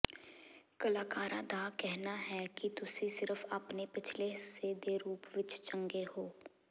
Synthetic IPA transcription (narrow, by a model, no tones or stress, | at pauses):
kɐlaːkaːɾãd̪aːkɛɦnaɦɛkit̪ʊsisɪɾəfɐpnepɪt͡ʃʰlesed̪eːɾuːpʋɪt͡ʃt͡ʃɐ̃ŋɡehoː